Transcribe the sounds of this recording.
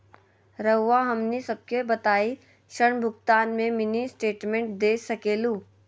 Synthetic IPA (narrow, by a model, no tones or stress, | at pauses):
ɾɐɦʋaɦɐmnesɐb̚kebɐt̪aːi | ʃəɽ̃bʱʊkt̪aːnmẽmɪnisʈeːʈmẽɳʈ̚d̪eːsɐkeːluː